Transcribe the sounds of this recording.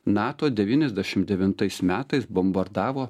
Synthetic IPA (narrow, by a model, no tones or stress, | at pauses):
nɑːt̪oːd̪ʲɛʋʲiːnʲɛzʲd̪ʲæʃʲɪmd̪ʲɛʋʲɪnt̪ɐɪsmʲæːt̪ɐɪsbɔmbɐɾd̪ɑːʋoː